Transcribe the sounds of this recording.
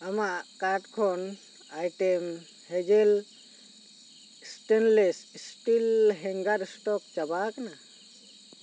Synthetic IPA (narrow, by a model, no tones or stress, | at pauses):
amakaɾʈkʰɔn | ajʈem | hɛd͡ʒel | sʈenlessʈilɦɛŋɡaɾsʈɔk̚t͡ʃabakana